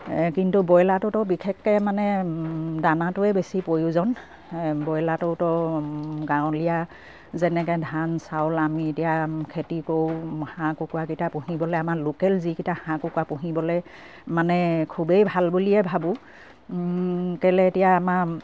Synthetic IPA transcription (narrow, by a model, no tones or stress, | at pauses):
kintubɔjlatʊtɔbikʰekːɛmanɛ | danatʊɛbesipojuzɔn | bɔjlatʊtɔ | ɡaʊ̃lija | zɛnɛkɛdʱansawlamietijakʰetikowhãkʊkwakitapuɦibɔlɛamaɹlokɛlzikitahãkukwapʊɦibɔlɛ | manɛkʰubejbʱalbuliɛbʱabʊ̃ | kɛlɛetijaːmaɹ